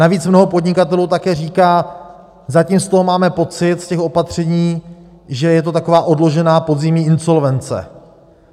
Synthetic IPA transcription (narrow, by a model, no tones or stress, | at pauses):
naviːt͡smno̞ɦo̞podɲɪkat̪̬ɛluːt̪akɛːr̝iːkaː | zaciːmst̪o̞ɦo̞maːmɛpo̞t͡sɪt̪scɛxo̞pat̪r̝̥ɛɲiː | ʒɛjɛt̪o̞t̪ako̞vaːʔo̞dlo̞ʒɛnaːpo̞d̪zɪmɲiːʔɪnso̞lvɛnt͡sɛ̰